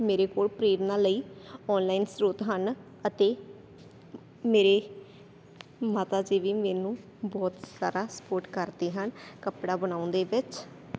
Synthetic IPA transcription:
meːɾeːkoːlpɾeːɾnãːləiːɔːnlaːiːnsɾoːt̪ɦən | ət̪eː | meːɾeː | maːt̪aːd͡ʒeːʋiːmɛ̃ːnũː | bɔːt̪sa̰ːɾaːsə̥poːɾʈkəɾd̪eːɦənkəpɽaːbənaːʊ̃nd̪eːʋɪt͡ʃ

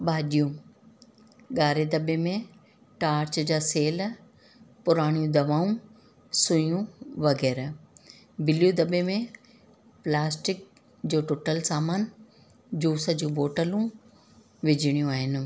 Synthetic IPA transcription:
ɓaːɗijũ | ɠaːɾed̪ɐɓemẽ | ʈaːɾt͡ɕd͡ʑaːseːl | pʊɾaːɽ̃jũd̪ɐʋaːũ | sʊ̃jũʋɐɡɛːɾ | bɪljud̪ɐɓemẽ | plaːsʈɪk̚ | d͡ʑoːʈoːʈəlsaːmaːn | d͡ʑuːsə̆d͡ʑũːboːʈəlũ | ʋɪd͡ʑʱɪɽ̃jũaːɦɪnɪ̆

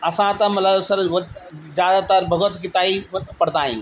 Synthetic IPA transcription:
ɐsãt̪ɐmɐt̪ləbsəɾʋd͡ʒjaːd̪at̪əɾbʱəɡət̪kɪt̪aːipɐɽd̪aːḭ̃

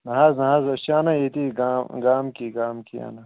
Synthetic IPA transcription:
nɐɦaːznɐɦaːzɐʃaːnajet̪iɡɡaːmkiɡaːmkia̰ːna

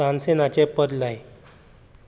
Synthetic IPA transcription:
ãnsenat͡ɕepəd̪laj

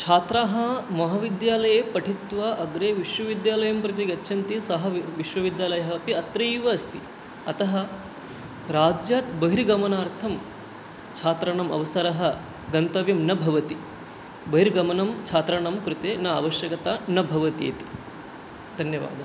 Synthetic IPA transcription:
t͡ʃʰaːt̪ɾaːɦɐmɐɦɐʋid̪jaːlɐjeːpɐʈʰit̪ʋɐʔɐɡɾeːʋiʃʋɐʋid̪jaːlɐjɐmpɾɐt̪̬iɡɐtːʃʰɐnt̪isɐɦɐʋiʃʋɐʋid̪jaːlɐjɐɦɐːpiɐt̪ɾɐiʋɐːst̪i | ɐt̪ɐɦɐ | ɾaːd͡ʒjaːt̪bɐɦiɾɡɐmɐnaːɾt̪ʰɐm | t͡ʃʰaːt̪ɾɐɳɐmɐ̰ʋɐsɐɾɐɦɐ | ɡɐnt̪ɐʋjɐmnɐbʱɐʋɐt̪i | bɐɦiɾɡɐmɐnɐmt͡ʃʰaːt̪ɾɐɳɐmkɾut̪eːnaːɐ̰ʋɐʃjɐkɐt̪aːnɐbʱɐʋɐt̪jḛːt̪i̥ | d̪ʱɐnjɐʋa̰ːd̪ʱɐ

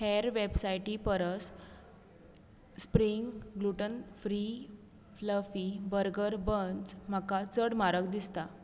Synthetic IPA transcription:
heɾʋebsajʈipəɾəs | spɾiŋɡɡluʈənfɾi | fləfibəɾɡəɾbənd͡zm̤akat͡səɽmaɾək̚d̪ist̪a

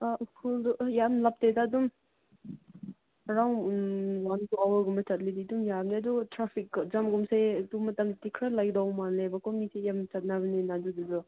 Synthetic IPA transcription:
akʰuldujamlap̚tedadum | ɾawnwantuawaɡumɐtɐt̚lididumjabniɐduɡtɾapʰik̚ːzamɡumsajdumɐtɐmtikʰɾalajdawmanlebakʰɔmisejamtɐt̚nabɐninaduduzɔ

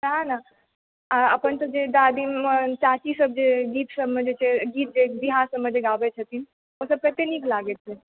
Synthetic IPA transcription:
ɦãna | aəpənt̪əd͡ʒed̪aːd̪imət͡ʃat͡ʃisəb̚d͡ʒeɡiːt̪səbmə̃d͡ʒet͡ʃʰeɡiːt̪̚d͡ʒeb̪iɦaɾsəbməd͡ʒeɡaːbet͡ʃʰət̪in | osəb̚kɛɦt̪enikʰlaɡet̪t͡ʃe

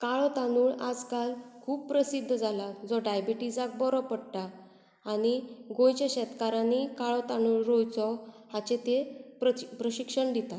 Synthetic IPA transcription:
kaɭɔt̪anuːɭad͡zkalkʰuːppɾəsid̪ʱːd͡zʱalad͡zɔɖajbiʈid͡zak̚bɔɾɔpəɽʈ̪aː | ɽ̃iɡojt͡ɕaɕɛt̪kaɾãnikaɭɔt̪anuːɭɾojt͡sɔ | hat͡ɕet̪eppɾəɕikʂəɳd̪it̪a

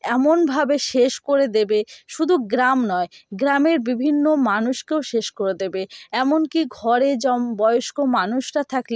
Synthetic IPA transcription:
ɛmonbʱabeʃeʃkoɾed̪ebeʃud̪ʱuɡɾamnɔeɡɾameɾbibʱinːomanuʃkeoʃeʃkoɾed̪ebeɛmonkiɡʱɔɾed͡ʑɔmbɔeoʃkomanuʃʈat̪ʰakle

